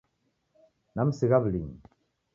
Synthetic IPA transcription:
namsiɣaβliŋ

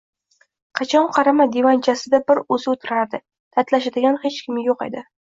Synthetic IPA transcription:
qʰɑt͡ʃʰɒnqʰɑɾamad̪e̞vant͡ʃʰasɪd̪abɪɾɵzɪot̪ʰʊɾaɾd̪ɪ | d̪̥aɾt̪laʃad̪ɪɡʲanhet͡ʃkʲʰɪmjoqḛd̪ɪ

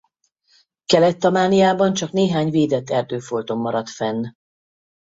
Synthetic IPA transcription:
kɛlɛt̪ːɒmaːnijaːbɒnt͡ʃɒkneːɦaːɲveːd̪ɛt̪ːɛrd̪øːfolt̪o̞mːɒɾɒt̪fɛnː

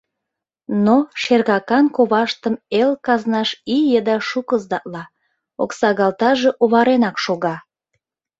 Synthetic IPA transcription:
noʃerɣɑkɑnkoβɑʃt̪əmelkɑznɑʃijəd̪ɑʃukəzd̪ɑʔlɑ | o̰ksɑɣɑlt̪ɑʒe̽ʔoβɑɾenɑkʃoɣɑ

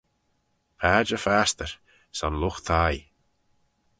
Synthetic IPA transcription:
pʰaːd͡ʒəfast̪əɹ | sanlʊxt̪ʰaj

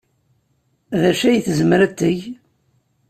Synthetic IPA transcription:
ðæʃæjθzmɾæt̪ːəʝ

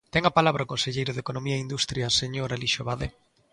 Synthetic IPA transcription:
t̪ɛŋapalaβɾaokonseʎejɾʊðekonomiaeind̪ust̪ɾjaseɲoɾaliʃoβaðe

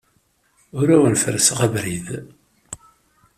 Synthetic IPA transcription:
ʊɾæwənfəɾsʁævɾið

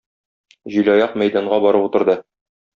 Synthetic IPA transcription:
ʑilɒjɑqmæjd̪ɑɴɢɑbɒɾɤput̪ɤ̆ɾd̪ɤ

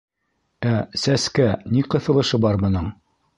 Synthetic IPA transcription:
æsæskæniqɤ̆θɤ̆lˠɤ̆ʃɤbɑɾmɤ̆nɤɴ

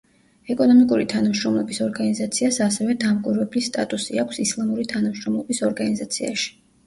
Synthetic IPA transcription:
ɛkʼɔnɔmikʼuɾit̪ʰanamʃɾɔmlˠɔbisɔɾɡanizat̪sʰiasasɛvɛd̪amkʼiɾvɛblist̪ʼa̰t̪ʼusiakʰsislˠamuɾit̪ʰanamʃɾɔmlˠɔbisɔɾɡanizat̪sʰia̰ʃi̥

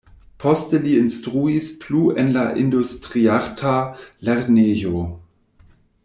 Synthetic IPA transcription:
pʰɔstəliinstʁuispluenlaʔindustʁiaʁtʰaleɾneːjo

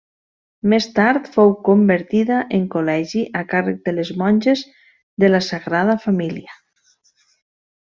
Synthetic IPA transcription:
mest̪aɾt̪fowkombəɾt̪iðaʔeŋkolɛʒiʔakarək̚d̪əlezmɔnʲʒez | ðəlasaɣɾaðəfamiliə

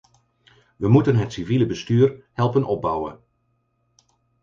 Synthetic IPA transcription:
ʋəmutənɦətsiviləbəstyːɹhɛlˠpənʔɔb̚bʌwə̰n

